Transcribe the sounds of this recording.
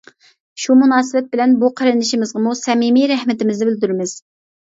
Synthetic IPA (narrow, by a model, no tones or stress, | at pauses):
ʃumunɑːsɨbɛt̪̚bɪlɛnbuqʰəɾɨnd̪ɪʃimɪzʁɑmusɛmimiɾɛhmɪt̪ɪmɪznɪbɪld̪yɾɪmɪz̥